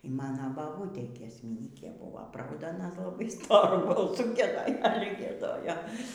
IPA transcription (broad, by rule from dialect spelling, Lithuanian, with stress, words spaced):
iː ˈmɑːnɐ bɐˈbuːtʲeː ɡʲiɛsʲmʲɪˈnʲiːkʲeː ˈbuːʋoː ˈprɐʊdɐ ɐˈnɐ lˠɐˈbɐɪ ˈstoːrʊ bɐlˠˈsʊ ɡʲiɛˈdoːj ˈɑːlʲɛ ɡʲiɛˈdoːjoː